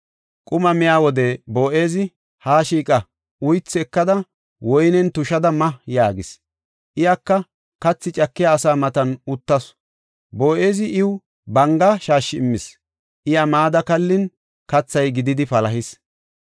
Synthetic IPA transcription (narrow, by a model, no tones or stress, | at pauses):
kʼʊmɐmɪjaːwɔd̪ɛbo̞ːʔe̞ːzɪ | haːʃiːkʼɐ | ʊjt͡sːɪɛkːɐd̪ɐ | wɔjnɛnt̪ʊʃɐd̪ɐmɐjaːɡɪs | ʔɪjakːɐ | kɐt͡sːɪt͡ʃʼɐkːɪjaːsaːmɐt̪ɐnʊt̪ːɐs | bo̞ːʔe̞ːzɪʔɪw | bɐŋɡɐʃaːʃːɪɪmːɪs | ʔɪjamaːd̪ɐkɐlːɪn | kɐt͡sːɐjɡɪd̪ɪd̪ɪfɐlɐɦɪs